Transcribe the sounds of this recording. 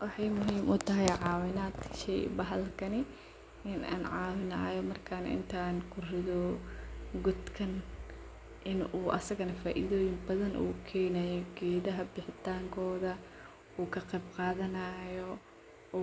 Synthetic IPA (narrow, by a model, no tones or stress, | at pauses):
wɑħɑjmʊɦiːmʔʊt̪ʰɐɦɛjʕɑːwɪnaːd̪ʃɛ̰jbɐɦɐlkʰɐnɪ | ɪnʔa̰ːnʕɑːwɪna̰ːjɔmɐrkʰɐnɐ̰ʔɪ̰nt̪ʰaːnkʰʊrɪðɔ | ɡɔd̪kʰɐn | ʔɪnuːʔɐ̰sɐɣɐnɐfaːʔḭːðɔːjɪmbɐðɐnʔṵːkʰɛːnajɔɡɛːðɐɦɐbɪħɪt̪ʰaːŋkʰɔːðɐ | uːkʰɐqɛjbqɑːðɐnaːjɔ